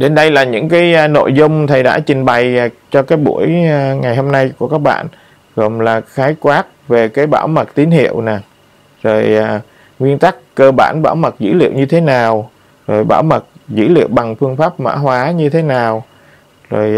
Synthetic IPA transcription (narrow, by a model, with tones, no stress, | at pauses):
ɗe˨˦nɗə˧jlaː˨˩ɲɨ̰˧˥ŋkaː˨˦jno̰˧˨jzʊ˧wŋ͡mt̪ʰə˨˩jɗa̰ː˧˥t͡ɕï˨˩ŋ̟ɓa˨˩jt͡ɕɔ˧kaː˨˦jɓṵ˧˩˥əjŋa˨˩jho˧mna˧jku˧˩əkaː˦˥k̚ɓa̰ː˧˨n | ɣɔ˨˩mlaː˨˩xaː˨˦jkwaː˦˥t̚ve˨˩kaː˨˦jɓaː˧˩wmə˨˩t̚t̪i˨˦ənhḭ˧˨əwna˨˩ | zo˨˩ja˨˩ | ŋwi˧ənt̪a˦˥kkəː˧ɓa̰ː˧˩nɓa̰ː˧˩wmə˨˩t̚zɨ̰˧˥lḭ˧˨əwɲɨ˧t̪ʰe˨˦naː˨˩w | zo˨˩jɓa̰ː˧˩wmə˨˩t̚zɨ̰˧˥lḭ˧˨əwɓa˨˩ŋfɨ˧əŋfaː˦˥p̚ma̰ː˧˥ɦwaː˨˦ɲɨ˧t̪ʰe˨˦naː˨˩w | zo˨˩j